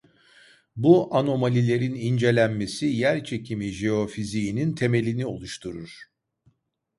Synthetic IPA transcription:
buʔano̞malʲilʲe̞ɾinind͡ʒe̞lʲænme̞sijæɾt͡ʃʰe̞cʰimiʒeo̞fizijːnint̪ʰe̞me̞lʲinio̞̰lˠuʃt̪ʰuɾuɾ̥

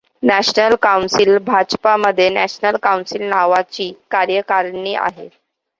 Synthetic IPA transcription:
næɕnəlkawnsilbʱad͡ʑpaməd̪ʱːjenæɕnəlkawnsilnaʋat͡ɕiːkaɾjəkaɾniːʔa̰ɦe

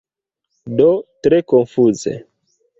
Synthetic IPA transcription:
dotɾekonfuzḛ

